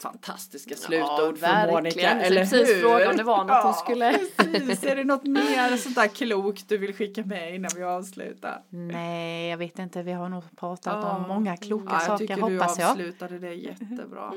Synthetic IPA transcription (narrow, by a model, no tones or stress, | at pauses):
fa̰nt̪ʰa̰st̪ɪskaslʉ̟ːt̪auːdvɔæmoːnɪlaɛlːəfɾoːɡmd̪ɛvanhɔnskɵlːəɾɛsʰiːsæɖɛnɔt̪meːɾsɔnt̪æːɾkʰluːkt̪̚d̪ɵvɪlɧɪkːamɛɪnːanvɪɑːvslʉ̰ːt̪a̰ɾnɛjɑːɡveːt̪ɪnt̪əvɪɦaɾɳuːpʰɾɑːt̪at̪ɔmːɔŋːakʰluːkːasɑːʏkəɾəhɔpːaːsjɑːlʉ̟ːt̪ad̪əd̪ɛjɛ̰t̪ːə̰bɾɑ̰ː